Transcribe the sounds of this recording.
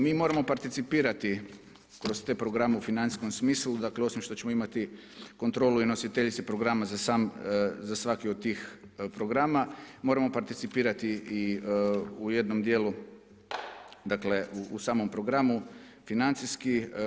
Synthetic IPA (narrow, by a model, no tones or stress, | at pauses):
miːmo̞ɾamo̞paɾt̪it̪sipiːɾat̪i | kɾo̞st̪e̞ːpɾoɡɾameufinani̥sko̞msmiːslˠud̪akleo̞simʃt̪o̞t͡ɕe̞mo̞imat̪i | ko̞nt̪ɾo̞ːluino̞sit̪eʎit̪sepɾo̞ɡɾamazasamzasʋakiod̪̚t̪ːiːxpɾo̞ɡɾamamo̞ːɾamo̞paɾt̪it̪sipiːɾat̪ii | uje̞d̪no̞md̪je̞ːlu | d̪akle̞uːsaːmo̞mpɾoɡɾamu | finant̪siski